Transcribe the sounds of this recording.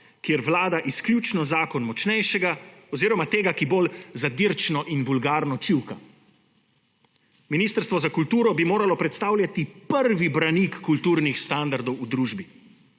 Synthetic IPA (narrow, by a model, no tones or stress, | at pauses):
kjeɾʋlaːd̪aʔiskljuːt͡ʃnɔzaːkɔnmɔt͡ʃnɛjʃɛɡaɔziːɾɔmat̪eːɡakibolzad̪iɾt͡ʃnɔʔinʋulɡaːɾnɔt͡ʃiwka | miniːst̪əɾst̪ʋɔzakult̪uːɾɔbimoːɾalɔpɾɛt̪st̪aːwlʲjat̪ipəɾʋibɾanikːult̪uːɾnixst̪and̪aɾd̪ɔwud̪ɾuːʒbi